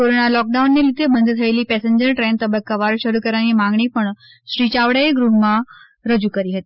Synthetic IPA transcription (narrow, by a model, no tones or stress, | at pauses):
oɾoɳalɔk̚ɖaunːelit̪ebənd̪ʱət̪ʰəjliːpɛseɲd͡ʑəɾʈɾɛ̃nt̪əbəkːaʋaɾʋɕəɾuːkəɾanimãŋɡɳipəɳ | ɕɾit͡ɕaʋɽajeɡɾuma | ɾəd͡ʑuːkəɾiːɦət̪i